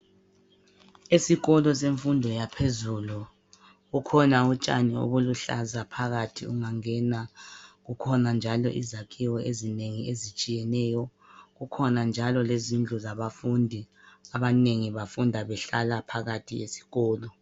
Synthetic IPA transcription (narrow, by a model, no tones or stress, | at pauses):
esiɣɔlɔseɱfundʱɔjapʰezulu | ɣukʰɔnaut͡ʃʼa̰nio̰βuluɬa̰zapʰaɣatʰiuŋaŋɛnaɣukʰɔnand͡ʒʱalɔ̰ʔḭzakʼʰiwɔʔezineŋiezit͡ʃʼijɛnɛːjɔ | ɣukʰɔnand͡ʒʱalɔlezind͡ɮʱɔzaβafundʱi | aβaneŋiβafundʱaβɛɬalapʰaɣatʰiesi̥ɣɔːlɔ